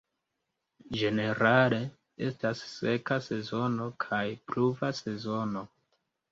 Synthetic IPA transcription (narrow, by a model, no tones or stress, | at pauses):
d͡ʒe̞ne̞ɾale̞ | e̞̰stasːe̞kase̞zo̞no̞kʰajpluvase̞zo̞no̞